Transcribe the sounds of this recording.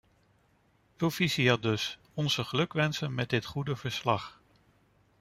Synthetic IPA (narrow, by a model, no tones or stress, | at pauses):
profisiadɵs | ɔnz̥əχəlɵkʋɛnsənmɛdɪtχudəvəɹslɑχ